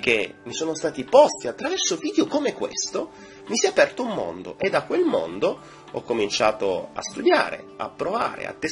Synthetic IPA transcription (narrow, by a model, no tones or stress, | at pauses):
k̟ːemːisoːnost̪aːt̪ipɔst̪iat̪ːɾavɛrsoviːd̪jokomekwḛst̪o | misjɛapɛrt̪oumːo̰nd̪o̰ʔed̪ːakwelmo̰nd̪o | ɔkːomint͡ʃaːt̪oa̰st̪ud̪ja̰ːɾḛa̰pːɾova̰ːɾḛa̰t̪ːe